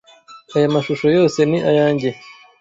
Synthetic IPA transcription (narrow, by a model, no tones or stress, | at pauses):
ajamaʃuʃo̞jo̞ːse̞niʔajaːɲɟe